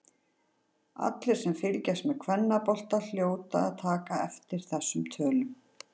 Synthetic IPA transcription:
a̰t̪lɪɾ̥sɛmfɪlcɛsmɛðkʰvɛnːapɔl̥t̪al̥joːwt̪aaðt̪ʰaːkaɛft̪ɪɾ̥θɛsːʏmt̪ʰœːlʏm

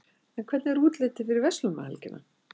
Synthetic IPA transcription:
ɛnkʰɛt̪nɪɛɾuːt̪lɪːt̪ɪfɪɾɪɾvɛst̪lʏma̰hɛ̰lcɪna̰

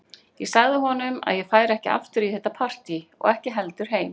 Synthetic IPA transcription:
jɛsaɣðɪɦɔnʏma̰ðjɛfaːjɾɛhcɪa̰ft̪ʏɾiθɛht̪ːapʰar̥t̪iɔ̰ɣɛhcɪɦɛlt̪ʏɾ̥ɦeːjm

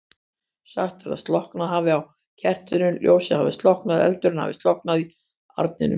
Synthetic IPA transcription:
sa̰xt̪fɛɾa̰st̪lɔhknaðɦaːvɪaw | cʰɛr̥t̪ʏɾʏnlʔjʔo̰ːwsɛha̰vɪst̪lɔhknaðɛ̰lt̪ʏɾɪnha̰vɪ̰st̪lɔhknaði | a̰ɾt̪nɪ̰nʏ̰m

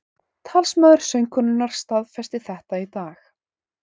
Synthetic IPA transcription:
t̪ʰaːlsmœðʏɾ̥sœɥjŋkʰʏnʏnːaɾ̥st̪aðfɛst̪ɪθɛht̪ait̪aːx

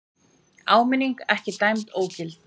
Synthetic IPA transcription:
aːwmɪniŋkɛhcɪt̪ajmt̪oːwcɪlt̪̚

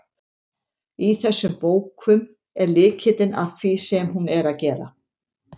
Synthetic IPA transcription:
iθɛsːʏmpoːwkʰʏm | ɛɾlɪːcʰɪt̪ɪna̰fkʰvisɛmɦunɛɾaðcɛːɾa̰

